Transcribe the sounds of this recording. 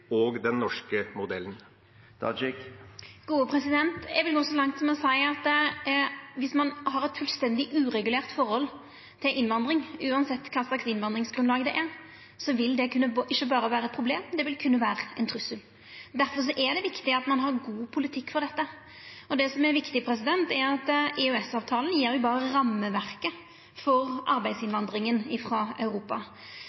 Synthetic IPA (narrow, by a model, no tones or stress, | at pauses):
oːɡd̪ɛnːɔʂkəmʊd̪ɛln̩ | ɑ̰d͡ʒɪkɡ̥uːəpʰɾɛsɪd̪ɛnt̪jɛɡʋɪlɡoːsɔlɑŋt̪sɔmɔsæɪɑt̪ | ʋɪsmɑnhɑɾɛt̪fʉlst̪ɛnd̪ɪʔʉːɾɛɡʉleːʁt̪fɔɾhɔl | t̪ʰɪlʔɪnʋɑnd̪ɾɪŋʉːɑnsɛt̪ːkʰɑːsɑksɪnʋɑnd̪ɾɪŋsɡɾʁʉnlɑːɡd̪ɛʔæɾ | sɔʋɪld̪ɛkʰʉnːəɪçːəbɑːɾəʋæːɾəɛt̪pʰɾʊbleːmd̪ɛʋɪlkʰʉnːəʋæːɾəɛnt̪ʰɾʉsəl | d̪æɾfɔʁʂ̬ɔʔɛd̪ɛʋɪkt̪ɪɑt̪mɑnɦɑʁɡuːpʰʊlɪt̪ʰɪkːfɔɾd̪ɛt̪ːə | ɔd̪ɛsɔmɛɾʋɪkt̪ɪpʰɾɛs̬ɪd̪ɛnt̪ɛɾɑt̪ɛʉɛsɑːʋt̪ʰɑːln̩jeːɾjʊbɑːʁəʁɑmːəʋæʁkə | fɔʁʔɑ̰ɾbæɪd̪sɪnʋɑnd̪ɾɪŋənɪfɾɑɑ̰ʉɾuːpɑ